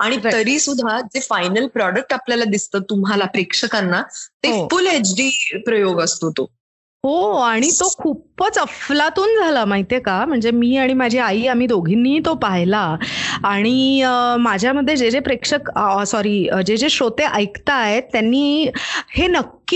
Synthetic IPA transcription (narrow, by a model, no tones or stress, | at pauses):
aɽ̃it̪əɾiːsud̪ʱad͡zefajnəlpɾɔɽək̚ʈapljalad̪ist̪ət̪ːumɦalapɾekʂəkanːat̪eofuled͡ʑɖiːpɾəjoɡəst̪oot̪o | ɦoaɽ̃it̪okʰuːpət͡səflat̪uːnd͡zʱaləmaɦit̪jekam̤əɳd͡zemiːaɽ̃imad͡ʑʱiaiːam̤iːd̪oɡʱinːiːt̪opaɦjlaː | ɽ̃iəmad͡ʑʱjaməd̪ʱːjed͡ʑed͡zepɾekʂəksɔɾiːəd͡ʑed͡zeɕot̪eʔəjkt̪aɦet̪ːjanːiːhenəkː